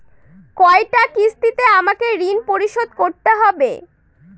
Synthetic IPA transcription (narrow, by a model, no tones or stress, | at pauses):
kɔeʈakist̪it̪eamakeɾinpoɾiʃod̪koɾt̪eɦɔbḛ